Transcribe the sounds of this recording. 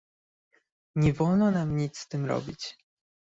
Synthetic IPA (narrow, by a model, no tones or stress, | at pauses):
ɲɛvɔlnɔnamɲit̪sst̪ɘmɾɔ̰bʲit͡ɕ